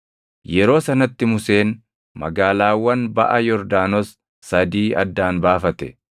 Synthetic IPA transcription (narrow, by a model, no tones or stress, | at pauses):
jɛɾo̞ːsɐnɐt̪ːɪmʊse̞ːn | mɐ̰ɡaːlaːwːɐnbɐ̰ʔɐjɔɾd̪aːnɔsː | ɐd̪iːɐ̰d̪ːaːnbaːfɐt̪ɛ